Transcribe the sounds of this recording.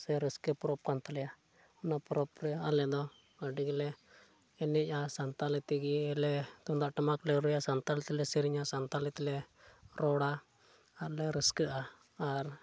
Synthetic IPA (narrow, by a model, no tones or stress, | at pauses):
sɛɾiskɛpɾɔp̚kant̪alɛja | ɔnapɾɔpɾɛalɛd̪ɔ | əɖiɡilɛː | nɛʔasant̪alɛt̪iɡiɛlɛt̪ɔnd̪aʔʈamaklɛɾujasant̪alɛt̪ilɛsiɾiɲasant̪alɛt̪ilɛ | ɾɔɽa | aɾlɛɾiskəʔaː | ɾ